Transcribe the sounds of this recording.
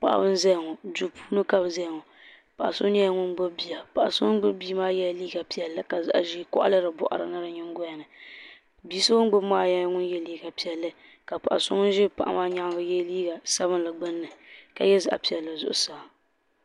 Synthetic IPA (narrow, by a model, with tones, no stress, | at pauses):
pa̰˨ʔa̰˨bɨ˦n˦za˦jŋɔ˨d͡ʒu˨pʰuː˦nɨ˦ka˦bza˦jŋɔ˨ | pa˨ʔa̰˨so˦ni˦a˦ŋʊ˦nɡ͡bɨ˦bi˦ja˨pa˨ʔa˨so˦ɡ͡bɨ˦bi˦maː˦jɛ˦˨liː˦ɡa˨pi˨ɛ˨lːɨ˦ka˨za̰˨ʔa˨ʒi˦kɔ̰˦ʔa̰˦lɨ˦ɾɨ˨bɔ̰˦˨ʔa̰˨ɾɨ̰˨nɨ˦ɾɨ˨ɲɪ˦ŋ˦ɡʊ˦ja˨nɨ˨ | biː˦sɨ˦bʊ˦n˦ɡ͡bɨ˦bmaː˦ja˦ŋʊ˦njɛ˦liː˦ɡa˨pi˨ɛ˨lːɨ˦ | ka˨pa˨ʔa̰˨sʊ̰˦ŋ˦ʒɪ˦pa˨ʔa̰˦maː˦ɲa˦ŋ˦ɡa˨jɛ˦liː˦ɡa˨sa˦βɨ˦nla˨ɡ͡bɨ˦nːɨ˨ka̰˨jɛ˦za˨ʔa̰˨pi˨ɛ˨lːɨ˨zʊ̰˦ʔʊ̰˦sa˨